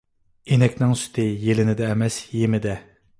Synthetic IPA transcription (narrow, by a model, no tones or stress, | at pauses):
enɛkʲnɪŋsy̥t̪ʰɪjelɪnɪd̪ɛːmɛsjemɪd̪ɛ